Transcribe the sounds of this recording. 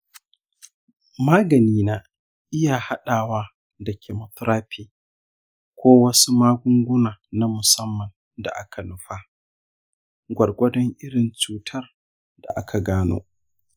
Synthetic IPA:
maː˦ɡɐ˨niː˦na˨ | ʔɪ˦ja˨ha˦ɗaː˨waː˦ | dɐ˨kʲʰe˨mɐ˦tɾaː˦ɸʰeː˨ | kʷoː˦wɐ˦su˦maː˦ɡʷʊ˦ŋɡʷʊ˦naː˨na˦mʊ˨sɐ˦mːɐ˨n | da̰˨ʔa̰˦kʰa˨nʊ˦ɸaː˦ | ɡʷɐ˨rɡʷɐ˦dɔ˦ŋʔɪ˦ɽɪ˨nt͡ʃuː˨tʰɐ˦r | da̰˨ʔa˦kʰa˨ɡaː˦no̰ː˦

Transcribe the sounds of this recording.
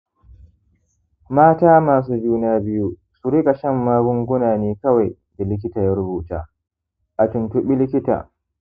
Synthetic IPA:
maː˦taː˦maː˨s̬uː˦d͡ʒuː˦naː˦bɪ˦ju˦ | su˨ɾɪ˦kʼa˨ʃɐ˦˨mːaː˦ɡʊ˦ŋɡʷʊ˦naː˨niː˦kɐ˦wa˨j | da˨lɪ˦k̬ʲɪ˦taː˨ja˦ɾʊ˦buː˨ta̰ː˦ | ʔa˨tʊ˨ntʊ˨ɓi˦lɪ˦kʲɪ˦ta̰ː˨

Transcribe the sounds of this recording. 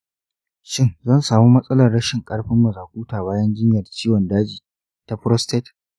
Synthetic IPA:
ʃɪ˦nzɐ˦˨nsaː˨muː˦mɐ˦sʼɐ˦lɐ˨rɽɐ˦ʃɪ˨ŋkʼɐ˦ɽɸɪ˦mːɐ˨zaː˨kʷuː˦taː˨baː˦jɐ˦nd͡ʒɪ˦ɲjɐ˨rt͡ʃiː˦wɔ˨ndaː˦d͡ʒiː˨ | ta˨ɸɾɔ˦stɛ˦t

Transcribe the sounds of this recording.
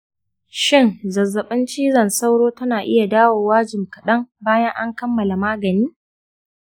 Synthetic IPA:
ʃɪ˦˨nzɐ˨zːɐ˨ɓɪ˦nt͡ʃiː˦zɐ˨nsa˦wɽoː˦tɐ˦naː˨ʔɪ˦ja˨daː˦woː˨waː˦d͡ʒɪ˨mkɐ˨ɗɐ˦ŋbaː˦jɐ˦ŋʔa˦ŋkɐ˦mːɐ˨la˨maː˦ɡɐ˨niː˦

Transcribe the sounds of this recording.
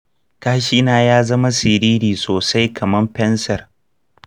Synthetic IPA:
kaː˦ʃi˦naː˨jaː˦zɐ˦ma˦sɪ˨ɾiː˦ɾiː˨soː˨sa˦jkʰɐ˨mɐ˦mɸɛ˦nsɐ˨r

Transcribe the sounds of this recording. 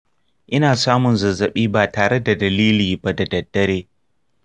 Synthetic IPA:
ʔɪ˦naː˨saː˦mʊ˨nzɐ˨zɐ˨ɓiː˦baː˨taː˨ɽe˦da˨dɐ˨liː˦liː˨ba˦da˨dɐ˨dːɐ˦ɾeː˦

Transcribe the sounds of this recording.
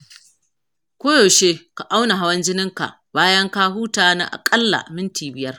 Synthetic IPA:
kʷoː˦joː˨ʃeː˦ka˨ʔa˦wna˨ɦa˦wɐ˦nd͡ʒɪ˦nɪ˦ŋka̰˨ʔ | baː˦jɐ˦ŋka˦ɦuː˦taː˨na̰ː˦ʔa̰˨kʼɐ˦lːa̰˨mɪ˦ntʰiː˨bɪ˦jɐ˦r

